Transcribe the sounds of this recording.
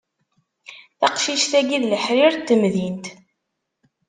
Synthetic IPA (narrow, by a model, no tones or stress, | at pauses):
θɑqʃiʃθæɡiðləħɾiɾt̪ːəmðint̪